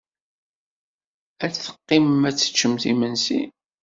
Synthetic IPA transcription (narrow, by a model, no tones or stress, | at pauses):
æt͡sθə̥qːɪmmæt͡sːə̥t͡ʃːəmθimənsi